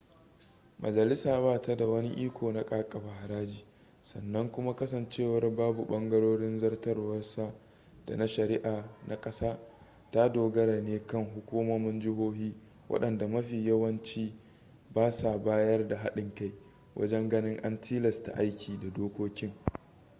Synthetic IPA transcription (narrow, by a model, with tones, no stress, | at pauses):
mʔɐ̰˨d͡ʒɐ˨lɪ˦saː˨baː˦ta˦da˨wɐ˦ni˦ʔiː˦kʷʰoː˨na˦kʼaː˦kʼɐ˨ba˨ha˨ɾaː˦d͡ʒiː˨ | sɐ̰˨nːɐ˦ŋkʷʊ˦ma˦kɐ˦s̬ɐ˨nt͡ʃeː˦˨wɐ˦rbaː˦bu˨ɓɐ˦ŋɡɐ˦ɽoː˦ɽɪ˦nzɐ˦rtɐ˦rwɐ˦rsa˦ | d̥a̰˨na˦ʃɐ˨ɾɪ˦ʔaː˨nʔa˨kʼɐ˦saː˦ | ta˦doː˨ɡɐ˦ɾa˨neː˦kɐ˦˨ŋɦʊ˦kʷuː˦mo˦mɪ˦nd͡ʒɪ˦ɦoː˦hiː˦ | wʔɐ̰˦ɗɐ˨nda˨mɐ˦ɸiː˨jɐ˦wɐ˦nt͡ʃiː˦ | baː˦sa˨baː˦jɐ˦rda˨ɦa˦ɗɪ˨ŋka˦j | wʔɐ̰˦d͡ʒɛ˦ŋɡɐ˦nɪ˦ŋʔa˦ntiː˦lɐ˨sta̰˨ʔa˦jkʲiː˨da˨doː˦kʷoː˦kʲɪ˦ŋ